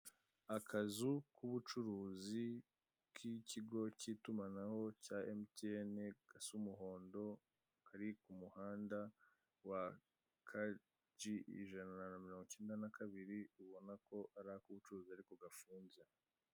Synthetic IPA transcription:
akʰazukʰuβut͡ʃuɾuːzi | kʰiciɡo̞ciːtumanaho̞caemtieneɡ̥asumuɦo̞ːndo̞ | kʰaɾikumuhaːnda | wa | kʰa | d͡ʒiʔḭʒanananamiɾo̞ːŋɡot͡ʃe̞ːndanakʰaβiɾiuβo̞nako̞ʔaɾahakuβut͡ʃuɾuːziaɾikoɡafuːnze

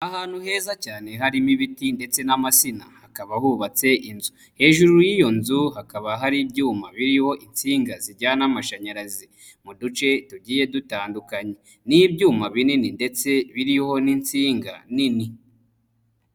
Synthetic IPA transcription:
ahaːn̥huɦe̞ːzacaːne̞ɦaɾimiβitinde̞t͡se̞namasina̰hakaβahuβat͡se̞ʔinzu | he̞ːʒuɾujijo̞nzuɦakaβaɦaɾibɟuːmaβiɾiho̞ʔint͡siːŋɡaziɟanamaʃaɲaɾazi | mudut͡ʃe̞tuɟiːje̞dutaːndukaɲe̞ | nibɟuːmaβinininde̞t͡se̞βiɾiho̞nint͡siːŋɡa̰nini

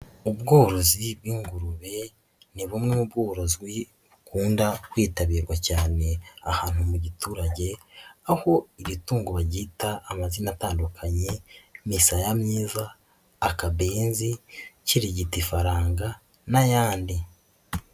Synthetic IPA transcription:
ubɡo̞ːɾo̞zibwiːŋɡuɾuβe̞ | niβumŋemubɡoːɾo̞ziɡwi | βukuːndakwiːtaβiːɾɡwacaːne̞ahaːn̥humuɟituːɾaɟe̞aho̞iɾituːŋɡoβaɟitaːmazinataːndukʰaɲe̞misajamɲiːzaː | kaβeːnziciɾiɟitifaɾaːŋɡa | najaːndi

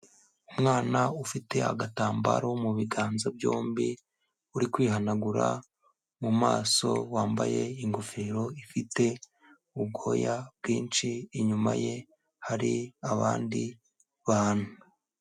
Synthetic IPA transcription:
umŋaːnaufite̞a̰ɡataːmba̰ɾo̞muβiɡaːnzabjoːmbi | uɾikwiːɦanaɡuɾa̰ | muma̰ːso̞̰waːmba̰je̞iŋɡofeːɾo̞ifite̞ | ub̚ɡo̞jab̚ɡiːnt͡ʃiːɲuma̰je̞ | haɾiaβaːndi | βaːn̥huu

